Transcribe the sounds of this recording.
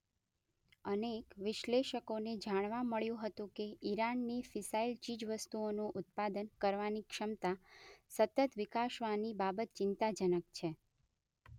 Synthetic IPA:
ənekʋɪʃleʃəkoned͡ʒaɽ̃ʋaməɭjũɦət̪ũkeiɾanːifɪsailt͡ʃid͡ʒʋəst̪uonuʔʊt̪̚pad̪ənkəɾʋanikʃəmt̪asət̪ət̪ʋɪkaʃʋanibabət̪̚t͡ʃɪnt̪ad͡ʒənəkt͡ʃʰe

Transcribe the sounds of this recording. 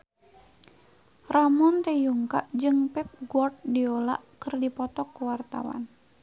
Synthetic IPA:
ramɔnt̪ɛjuŋka̰ʔd͡ʒɨŋpɛp̚ɡɔrt̪̚diola̰ʔkɨrdipɔt̪ɔkːuwart̪a̰wa̰n

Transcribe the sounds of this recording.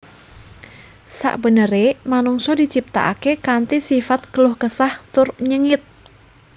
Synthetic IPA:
sa̰ʔbənəɾemanuŋsɔdit͡ʃip̚t̪a̰ʔakekant̪isifat̪̚ɡ̥əlʊhkəsaht̪ʊrɲəŋɪt̪̚

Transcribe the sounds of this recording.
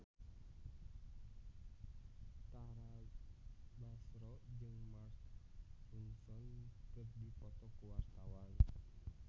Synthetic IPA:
t̪aɾa | basɾɔd͡ʒɨŋmarsɾunsɔnkər̚dipɔt̪ɔkuwart̪awan

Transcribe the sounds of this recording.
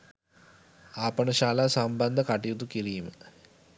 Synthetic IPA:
aːpənəʃaːlaːsamband̪əkaʈijut̪ukiɾiːmə

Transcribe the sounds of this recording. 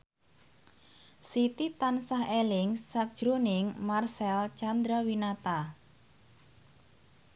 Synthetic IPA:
sit̪it̪ansaɦelɪŋsːak̚ʒ̥ɾunɪŋmarsɛlt͡ʃand̪ɾawinat̪a

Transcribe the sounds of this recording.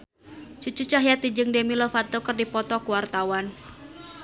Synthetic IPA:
t͡ʃut͡ʃut͡ʃaɦjat̪id͡ʒɨŋdemilɔfat̪okərdipɔt̪ɔkuwart̪awan

